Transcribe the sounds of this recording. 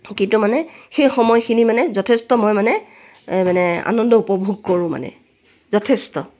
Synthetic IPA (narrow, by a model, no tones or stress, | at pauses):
kitumanɛxejxɔmɔjxinimanɛzɔtʰestɔmɔjmanɛ | manɛa̰nɔndɔupɔbʱuɡ̚koɹʊ̃ma̰nɛ̰ | zɔtʰestɔ̰